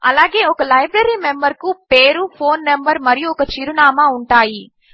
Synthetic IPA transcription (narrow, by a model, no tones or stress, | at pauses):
ɐlaːɡe̞ːɔkɐlɐjbɾɐɾiːmembɐɾkupeːɾupʰoːnːembɐɾmɐɾijuɔkɐt͡ʃiɾunaːmauɳʈaːji